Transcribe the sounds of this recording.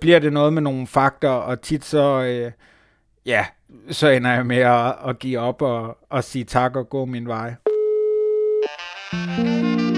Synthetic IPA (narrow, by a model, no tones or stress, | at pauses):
b̥liɐ̰d̥e̝nɔ̽ːð̞ˠmeno̝ːn̩fɑ̈ɡ̥̚d̥ɐɒ̽t͡sʰid̥sɒ̽ø | jæ | sɒ̽enɐjɑ̈ɪmeɒːɡ̥ḭːɒ̽b̥ɒ̽ːsiːt͡sʰɑ̈ɡ̥ɒ̽ɡ̥ɔ̰̽ːminʋɑ̈ɪ